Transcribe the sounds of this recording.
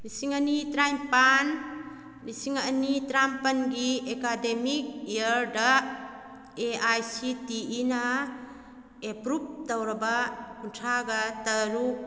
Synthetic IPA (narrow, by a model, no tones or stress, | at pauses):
nisiŋanitɾajmpan | nisiŋanitɾampɐnɡiekademik̚ijaɾda | eajsitiʔinɐ | epɾup̚dawɾɐbɐkuntʰaɡɐtɐɾu